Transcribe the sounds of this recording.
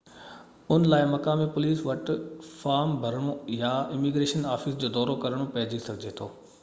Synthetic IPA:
ʊnlaːɪmɐkaːmipʊliːsʋɐʈfaːɾmbʱɐɾəɽ̃ojaɪmiɡɾeːʃənaːfisd͡ʑoːd̪ɔːɾokɐɾəɽ̃opɐɦɪd͡ʑisɐɡʱd͡ʑet̪ʰoː

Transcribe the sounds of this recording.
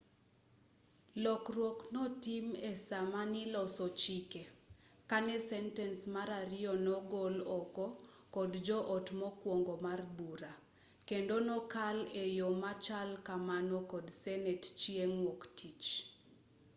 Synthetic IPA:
lɔkrwɔknɔtimesamanilɔsɔt͡ʃike | kanɛsɛntɛnsmaɾaɾɪɔnɔɡɔlɔkɔ | kɔdd͡ʒɔʔɔtmɔkwɔŋɡɔmarbuɾa | kendonɔkalejomat͡ʃalkamanɔkɔdsɛnɛtt͡ʃieŋwɔktʰit͡ʃ

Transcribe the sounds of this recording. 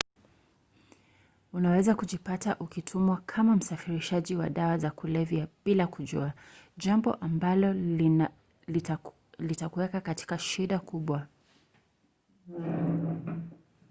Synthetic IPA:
unawɛzakuʄipataʔukitʰumwakʰamam̩safiɾiʃaʄiwa̰ɗawazakulɛvjaɓilakuʄṵaʄambɔ̰ʔambalɔ | litakuwɛkakati̥kaʃiɗakʰuɓwa

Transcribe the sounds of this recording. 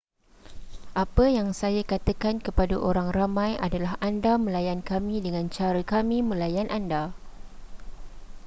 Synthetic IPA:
ʔapəjaŋsajakat̪akankəpadaʔoɾaŋramãja̰dalaɦʔandamə̃lajankamĩdəŋãnt͡ʃaɾəkamĩmə̃lajanʔanda

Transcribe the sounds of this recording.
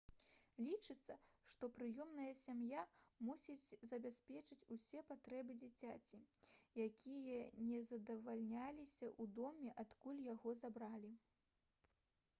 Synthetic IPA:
lʲit͡ʂɨt̪sːɐʂt̪ɔpɾɨjɔmnɐjɐsʲamjamusʲid͡zʲzɐbʲasʲpʲɛt͡ʂɨt͡sʲusʲɛpat̪ɾɛbɨd͡zʲit͡sʲat͡sʲijakʲʰijɐnʲɛzɐd̪ɐvalʲnʲalʲisʲɐʔud̪ɔmʲɛʔat̪kulʲjaɣɔzabɾalʲi

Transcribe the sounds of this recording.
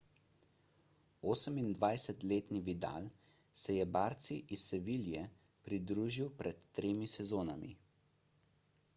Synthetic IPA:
oːsəmind̪ʋajsɛt̪leːt̪niʋid̪a̰ːl | sɛjɛbaːɾt̪siʔisɛʋiːljɛ | pɾid̪ɾuːʒiwpɾɛt̪ːɾeːmisɛzoːna̰mḭ

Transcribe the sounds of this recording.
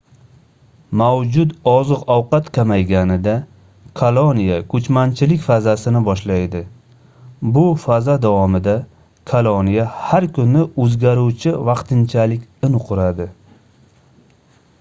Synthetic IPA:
mawd͡ʒʊd̪ɒzɨqɒwqɑt̪kʲʰamajɡʲanɪd̪a | kʰalˠonijakʰɵt͡ʃmant͡ʃʰɪlɪkʲfazasɪnɪbɒʃlajd̪ɪ | bʊfazad̪awɒmɪd̪a | kʰalˠonijahaɾkʰʊnɪɵzɡʲaɾuwt͡ʃʰɪvɑqt̪ɪnt͡ʃʰalɪkʲɪnqʰʊɾad̪ɪ

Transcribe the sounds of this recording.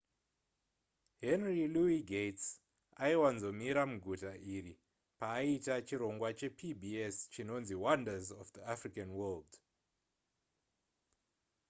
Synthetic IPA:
ɦenriluiɡʱets | aiwanzo̞miɾamuɡʱutaʔiri | paːitat͡ʃiɾo̞ŋɡwat͡ʃe̞pʰibʱiest͡ʃino̞nziwandazɔfd̪iafrikanwɛld

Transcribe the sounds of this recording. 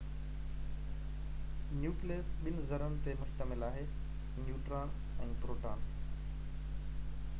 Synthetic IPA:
njuːkleəsɓɪnɪzɐɾənɪ̆t̪emʊst̪əmɪlaːɦeː | njuːʈɾaːn | ɛ̃ːpɾoːʈaːn

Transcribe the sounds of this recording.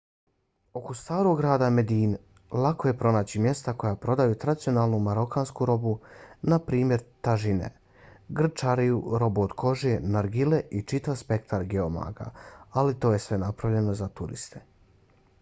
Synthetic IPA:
o̞kost̪aːɾo̞ɡɾaːd̪ame̞d̪iːn | lˠako̞je̞pɾo̞naːt͡ɕimje̞st̪ako̞japɾo̞d̪ajut̪ɾad̪isio̞naːlˠnumaɾo̞kaːnskuɾo̞bunapɾiːmje̞ɾt̪aʒinḛ | ɡr̩t͡ʃaɾijuɾo̞buod̪kʰo̞ʒienaɾɡileʔit͡ʃit̪aʋspe̞kt̪ʰaɾɡeoma̰ːɡa̰alit̪o̞ːje̞sʋe̞napɾaʋʎe̞no̞zat̪uɾḭst̪e̥

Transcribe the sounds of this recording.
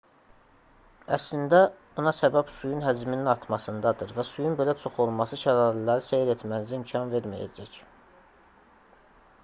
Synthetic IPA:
æ̰slind̪æbunɑsæbæbsujunɦæd͡ʒmininɑɾt̪ʰmɑsɯnd̪ɑd̪ɯɾvæsujunbe̞læt͡ʃʰo̞χo̞lˠmɑsɯʃæɾɑːlilæɾisejɾet̪ʰmænzæimcʰɑnve̞ɾmæ̰jæ̰d͡ʒæc

